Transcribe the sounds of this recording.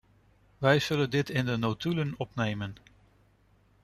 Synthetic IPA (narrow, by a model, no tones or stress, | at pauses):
ʋɛjz̥ɵləndɪtɪndənotylənɔpnejmən